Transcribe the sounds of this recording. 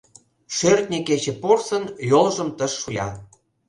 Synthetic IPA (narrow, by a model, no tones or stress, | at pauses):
ʃørt̪̚nʲeket͡ɕĕporsə̆njolʒə̆mt̪əʃːujʲɑ